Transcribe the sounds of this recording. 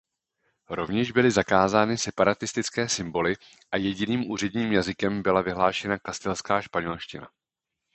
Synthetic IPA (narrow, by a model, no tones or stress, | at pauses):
ɾo̞vɲɛʒbɪlɪzakaːzaːnɪsɛpaɾat̪ɪst̪ɪt͡skɛːsɪmbo̞lɪ | ʔajɛɟɪniːmʔuːr̝ɛdɲiːmjazɪkɛmbɪlavɪɦlaːʃɛnakast̪ɛlskaːʃpaɲɛlʃcɪna̰